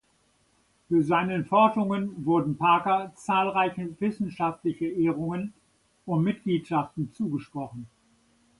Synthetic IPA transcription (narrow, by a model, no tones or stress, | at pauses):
fyːɐzaɪnənfɔɐʃʁʊŋənvʊɐdn̩pʰaːkɐt͡saːlʁaɪçəvɪsn̩ʃaftlɪçəʔeːʁ̞ʊŋən | ʊntmɪt̚ɡ̥liːtʃaftn̩t͡suːɡəʃpʁ̥ɔχn̩